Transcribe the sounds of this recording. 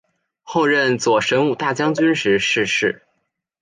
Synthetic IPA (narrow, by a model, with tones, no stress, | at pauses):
xo˥˧ʊɻə˥˩nt͡swɔ˨˩ʂə˧˥nu˥˩t̪a˥˩t͡ɕjɑ˥ŋt͡ɕy˥nʂɻ̩˧˥ʂɻ̩˥˧ʂɻ̩˥˩